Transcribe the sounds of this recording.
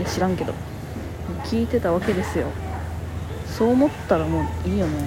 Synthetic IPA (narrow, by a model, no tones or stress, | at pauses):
eɕiɾãŋke̞d̪o̞̰ | mokʲiːt̪e̞t̪aβ̞ake̞d̪e̞sɨjo̞̰ | so̞ːmo̞t̪ːaɾamo̞ːiːjone